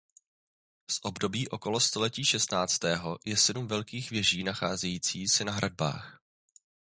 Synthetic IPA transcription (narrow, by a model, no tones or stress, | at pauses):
sʔo̞bdo̞biːʔo̞ko̞lo̞st̪o̞lɛciːʃɛst̪naːt͡st̪ɛːɦo̞jɛsɛdumvɛlkiːxvjɛʒiːnaxaːzɛjiːt͡siːsɛnaɦɾad̚ba̰ːx